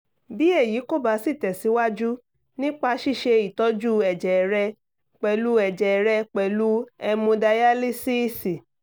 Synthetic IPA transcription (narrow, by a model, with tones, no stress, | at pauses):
bi˦e˦˨jiː˨˦ko˦˨ba˨˦si˦˨tɛ˨si˨˦wa˦d͡ʒu˦ | nĩ˦k͡pa˧ʃi˦˨ʃe˧i˨tɔ˨˦d͡ʒu˦ɛ˨d͡ʒɛ˨ɾɛ˧ | k͡pɛ˧˨lu˦ɛ˨d͡ʒɛ˨ɾɛ˧k͡pɛ˨lu˦ɛ˧mũ˧da˧ja˦li˦si˦˨si˨